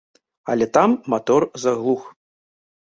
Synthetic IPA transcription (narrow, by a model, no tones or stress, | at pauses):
a̰lʲɛt̪amːat̪ɔrzaɣlˠux